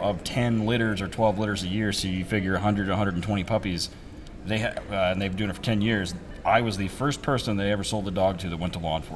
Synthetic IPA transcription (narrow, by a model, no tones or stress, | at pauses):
ʌv̥tʰɛ̃nlɪɾə˞zə˞tʰw̥ɛlˠvlɪɾə˞zɨjɪɹsoʊjɨfɪɡjə˞ɨɦʌ̃ndɹɨɾɨɦʌ̃ndɹədn̩tʰw̥ɛ̃ɾ̃ipʰʌpiz | ðeɪɨ̃nðeɪvdʉ̃nɨtfə˞tʰɛ̃njɪɹz | ʔaɪwʌzðɨfɜ˞spʰɜ˞sɨ̃nðeɪɛvə˞soʊlˠd̪̚ðədɔɡ̚tʰɨðɨt̚wɛ̃ntʰəlɔ̃nfə̰